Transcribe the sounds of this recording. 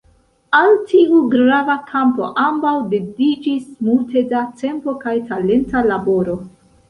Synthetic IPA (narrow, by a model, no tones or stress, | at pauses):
altʰiuɡɾavakʰampo̞̰ʔambawdedid͡ʒismultʰe̞dat͡se̞mpo̞kajtale̞ntalabo̞ɾo̞